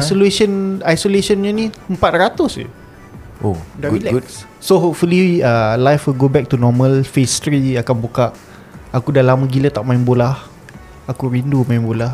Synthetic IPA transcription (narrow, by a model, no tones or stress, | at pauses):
asoleʃənajsolesənɲənĩəmpat̪̚rat̪ʊsḭ | ʔoɡɡu | soɦofuliiəlajfiɡobɛk̚tunɔmə̃lfest̪ɾiakanbukaʔ | akudalamaɡilət̪aʔmaɪnbolah | akuɾindumãɪ̃nbolah